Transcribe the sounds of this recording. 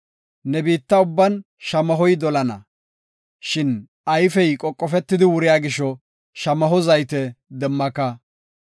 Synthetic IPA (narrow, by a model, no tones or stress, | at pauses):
nɛbiːt̪ːɐʊbːɐn | ʃɐmɐɦɔjd̪ɔlɐnɐ | ʃɪn | ʔɐjfɛjkʼɔkʼːɔfɛt̪ːɪd̪ɪwʊɾɪjaːɡɪʃɔ | ʃɐmɐɦɔzɐjt̪ɛd̪ɛmːɐkːɐ